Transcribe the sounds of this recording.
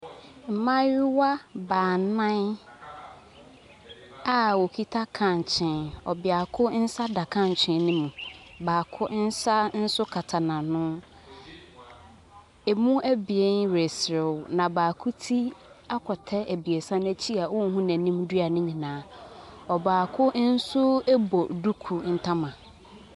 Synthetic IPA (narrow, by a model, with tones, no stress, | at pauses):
m̩˨mã˦ɥɪ˦wa˦baː˨nã˦n | a˦wɔ˨kʰi˦tʰa˦kʰã˨n˨t͡ɕʰɪ̃˨nɔ̰˨bɪ˨a˨kʰʊ˦n̩˦sa˦da˨kʰã˦n˨t͡ɕʰɪ̃˨n˦nɪ̃˦mũ˨ | baː˨kʰʊ˦n̩˦sa˦n̩˦sʊ˦kʰa˨tʰa˨nã˨nʊ̃˦ | e˨mũ˦æ˦bi˨e˦n˦ɾe˨sɾɪ˨nã˨baː˨kʰʊ˦tʰi˦a˦kʰɔ˨tʰɛ˦ʔæ˨bi˨e˨sã˦næ˦t͡ɕʰi˦a˨wʊ̃˦n˦ɦũ˦næ̃˨nĩ˦mdɥa˨nɪ̃˦ɲĩ˨nãː˨˦ɔ˨baː˨kʰʊ˦n̩˦sʊ˦æ˦bɔ˨du˦kʰu˨n̩˦tʰã˦mã˨